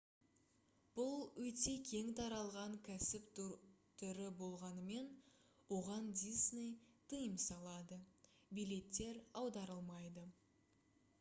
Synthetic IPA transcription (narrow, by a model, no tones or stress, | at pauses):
b̥ʊlˠwɵt̪e̞kʲʰe̞ŋt̪ʰɑɾɑlˠʁɑŋkʲʰæsɪp̪t̪ʰʏɾɪbo̞lˠʁɑnəme̞nwo̞ʁɑnd̪isnejt̪ʰəjəmsɑlˠɑd̪ə | bijle̞t̪ːe̞ɾɑwd̪ɑɾəlˠmɑjd̪ə